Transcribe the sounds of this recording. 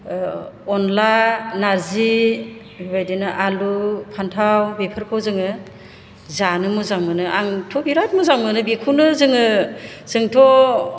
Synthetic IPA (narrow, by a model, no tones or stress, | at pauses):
ɔnlanaɾzi | bbajdenaʔalupʰantʰawbepʰɯɾkʰɔwzɯŋɯ | zanɯmɯzaŋmɯnɯʔaŋtʰɔbiɾat̚muzaŋmɯnɯbikʰunɯzɯŋɯzɯŋtʰɔ